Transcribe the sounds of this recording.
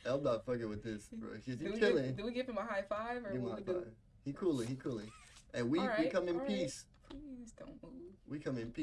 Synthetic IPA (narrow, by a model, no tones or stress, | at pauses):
ɛlˠb̚nɑtfʌkɨt̚wɨðɪsb̥ɹʌ̰sɨzɨwitʰɛlˠɪ̃ŋdɨwiɡɪvɨ̃maɪɦaɪfaɪvəɪmaɪv | hikʰulˠiikʰulˠiʔɨ̃nwiɹwikʰʌ̃mɨ̃npʰis | isd̥õ̰ʊ̃nwiwikʰʌ̃mɨ̃npʰi